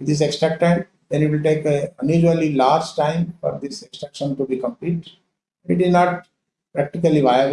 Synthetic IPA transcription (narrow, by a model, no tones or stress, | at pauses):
ʋɪd̪ɪs̬eksʈɾɛk̚ʈɛ̃ɳ | d̪ɛ̃nɪʈʋɪlʈeːkeə̃njuːd͡ʒuəlilaːɾd͡ʒʈãɪ̃mfɔ̰ɾd̪ɪsɛksʈɾɛkʃə̃nʈubikə̃mpliːʈ | ɛ̃ɳɖɪʈɪznɔːʈ̚ | pɾæk̚ʈɪkəliʋaɪə